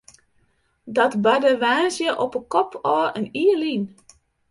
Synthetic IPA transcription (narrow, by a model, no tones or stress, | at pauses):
dɔtbadəʋaːsjəʔɔpəkɔpʰɔːəniːəlin